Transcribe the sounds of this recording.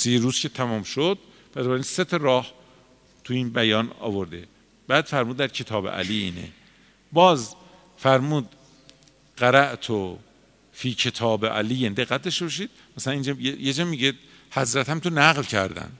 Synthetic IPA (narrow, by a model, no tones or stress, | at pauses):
siːɾuːz̥kʰe̞t̪ʰæmɔːmʃod̪̥̚ | b̥elbæɾinse̞t̪ʰɒɾɒːh | t̪ʰuiːnbæjɒːnɒ̰ːvoɾd̪e̞ | b̥æːd̪̥fæɾmuːd̪̚ːæɾcʰe̞t̪ʰɒːbḛʔæ̰liːḭːnḛ | bɒːz | fæɾmuːd̪ | ɢæɾæʔt̪ʰo | fiːcʰe̞t̪ʰɒːbeʔæ̰liːjend̪e̞ɣːæt̪̚d̪ɒʃt̪e̞bɒʃ̬iːd̪̥̚ | mæsælæniːnd͡ʒjejed͡ʒɒːmiɡed̪ | hæzɾæt̪hæmt̪ʰonæɣlcʰæ̰ɾd̪æ̰n